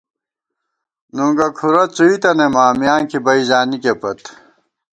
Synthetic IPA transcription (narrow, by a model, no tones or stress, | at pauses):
nuŋɡɐkʰuɾɐt͡suit̪ɐnemaːmijaːŋkibɐizaːnikepɐt̪